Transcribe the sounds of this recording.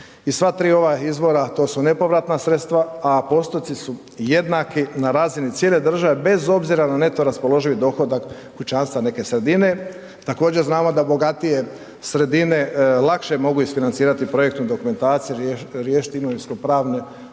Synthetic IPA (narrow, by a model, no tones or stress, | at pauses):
isʋat̪ɾiːo̞ʋaizbo̞ɾat̪o̞ːsune̞po̞ʋɾat̪nasɾe̞t̪st̪ʋaːpo̞st̪ojt̪isu | je̞d̪nakinaɾaːzinit̪sjele̞d̪r̩ʒaʋe̞be̞zo̞bziɾanane̞t̪o̞ɾaspo̞lo̞ʒiʋid̪o̞xo̞d̪ak | kut͡ʃaːnst̪ʋane̞ke̞sɾe̞d̪ine̞ | t̪akoːd͡ʑe̞ɾznaːmo̞d̪abo̞ɡat̪ije̞ | sɾe̞d̪ine̞lˠakʃe̞mo̞ɡuisfinant̪siːɾat̪ipɾo̞jekt̪nud̪o̞kume̞nt̪aːt̪sijuɾjeːʃi̥t̪iɡnoʋiskopɾaːʋne